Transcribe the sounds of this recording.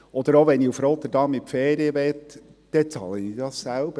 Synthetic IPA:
ɔd̥̪əɾoʋɛniufɾɔt̪əɾdɑmipfɛːɾiəʋɛt | d̥ɛtsɑ̰lid̥ɑssælb̥ə

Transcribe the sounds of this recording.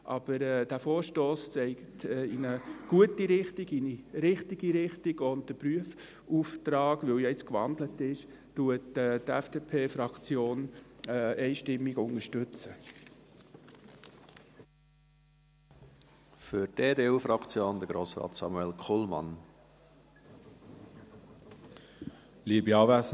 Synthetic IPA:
ʔɑb̥əɾɛd̥æfoːɾʃtoːst͡sɛɪktʰɛinəɡ̥uətiɾɪχtiɡiniɾɪχtiɡiɾɪχtiɡʊnd̚d̥əpɾyəf | uftɾɑːɡʋɵwjɑɪt͡skʋɑ̰nd̪lətɪʃ | tuətːtɛ̰fd̥eːpʰeːfɾɑkt͡sjoːn | ɛɪʃtɪmːɪɡʊnəʃtʉt͡sə | fʏɾdeːdeːuːfɾɑkt͡sjoːnd̪əɡɾoːsɾɑ̰ːtsɑ̰muɛlkʰulmɑ̰n | liːəbiɑːvæs

